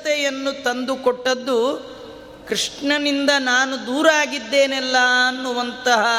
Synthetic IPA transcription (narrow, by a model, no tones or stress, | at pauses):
t̪ɛjɐnːut̪ɐnd̪ukɔʈːɐd̪ːu | kɾiʂɳɐnind̪ɐnaːnud̪uːɾaːɡid̪ːeːnɛlːɐːnːuʋɐnt̪ɐɦɐ